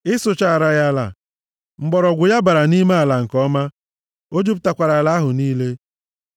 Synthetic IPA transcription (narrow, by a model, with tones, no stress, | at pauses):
ɪ˦sʊ˨t͡ʃa˦˨a˨ɾa˦ja˦la̰˨ | ŋ͡m̩˨ɡ͡bɔ˨ɾɔ˨ɡʷʊ˨ja˦ba˨ɾa˨ni˦me˦a˨la˨ŋ̩˨kɔ˦ma˦ | o˦d͡ʒu˦pʊ˦ta˨kʷa˨ɾa˨la˦ɦʊ˨niː˦le˦